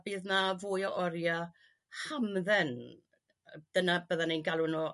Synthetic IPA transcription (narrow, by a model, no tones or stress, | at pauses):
bɨːðnavʊːjɔʔɔɾja | hamðɛn | d̥ənabəðanenɡalˠʊnɔ